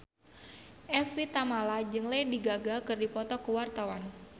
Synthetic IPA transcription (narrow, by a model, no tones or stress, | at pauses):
ʔɛfit̪amalad͡ʒɨŋlajdiɡaɡakɨrdipɔt̪ɔkuwart̪awan